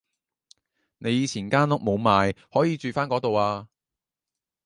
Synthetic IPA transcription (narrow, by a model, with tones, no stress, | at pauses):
ne˨˧jiː˨˧t͡sʰiː˨˩nkaː˥nlʊ˨˥k̚mo˨˧wmaː˨˧jhɔː˨˥jiː˨˧t͡ʃyː˨faː˥nkɔː˨˥t̪o˨waː˧